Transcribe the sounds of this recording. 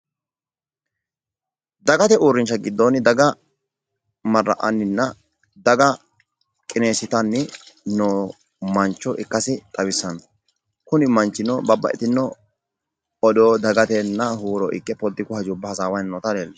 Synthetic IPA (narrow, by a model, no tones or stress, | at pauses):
d̪ɐɡɐt̪ɛuːɾːɪnt͡ʃːɐɡɪd̪ːonɪd̪ɐɡɐ | mɐrːɐ̰ʔɐ̰nːɪnːɐ | d̪ɐɡɐ | kʼɪneːsɪt̪ɐnːɪno | mɐnt͡ʃːɔʔɪkːɐsɪt̪ʼɐwɪsːɐn | kʊnɪmɐnt͡ʃːɪnːɔbɐbːɐ̰ʔɛt̪ɪnːɔ | ɔdoːd̪ɐɡɐt̪ɛnːɐhuːɾɔʔɪkːɛpɔd̪ːɪkʊhɐd͡ʒubːɐhɐsaːwɐjnnɔt̪ɐleːlː